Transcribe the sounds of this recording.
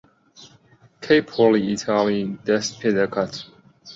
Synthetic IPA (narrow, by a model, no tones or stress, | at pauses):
kʰeɪpʰɔliitʰalid̥ɛspʰɪdəkʰʌt